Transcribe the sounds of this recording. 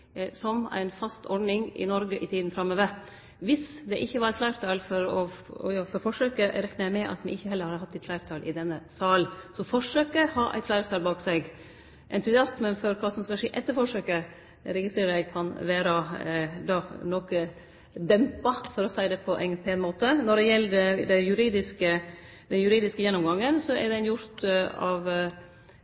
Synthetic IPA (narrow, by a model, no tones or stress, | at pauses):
sɔmæ̰ɪnfɑst̪ʰɔɖɳɪŋɪ̰nɔɾɡəʔɪt̪ʰiːd̪n̩fɾɑmːøːʋəɾ | ʋɪsd̪ɛʔɪçːəʋɑɾɛɪt̪flæɪɾt̪ʰɑːlfɔɾɔɔ̰jɑfɔɾfɔʂøːkəɾɛknəɾjæɪmɛʔɑ̰t̪mɛ̰ɪçːəɦɛlːəɾhɑːd̪əhɑt̪ːɛɪt̪flæɪɾt̪ʰɑːlʔɪ̰d̪ɛnːəsɑːlsɔfɔʂøːkəhɑːʔæ̰t̪flæɪɾt̪ʰɑːlbɑːksɛɪɡ | ʔɛnt̪ʉsɪɑsmənfɔɾkʰɑːsɔmskɑlʂeːʔɛt̪ːəɾfɔʂøːkə | ɾɛɡɪst̪ɾeːɾɖæɪkʰɑnʋæːɾɑd̪ɑnɔkə | d̪ɛmpɑfɔɾɔsæɪd̪ɛpʰɔʔæ̰ɪpʰɛnmoːt̪ənɔɖɛjɛlːədɛd̪ɛjʉɾiːd̪ɪskə | d̪ɛnjʉɾiːd̪ɪskəjɛnːɔmɡɑŋːənsɔɛ̰ɾɖɛnjʊɾt̪ɑ̰ʋ